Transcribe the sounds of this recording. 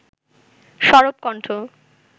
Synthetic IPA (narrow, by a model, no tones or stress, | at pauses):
ʃɔɾop̚kɔɳʈʰo